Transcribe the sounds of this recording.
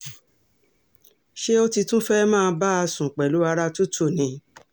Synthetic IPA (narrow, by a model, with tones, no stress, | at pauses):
ʃe˦o˦ti˧tũ˦fɛ˦mãː˦˧˦ba˦a˧sũ˨k͡pɛ˨lu˨˦a˧ɾa˦tu˦tʰo˦˨nĩ˨˦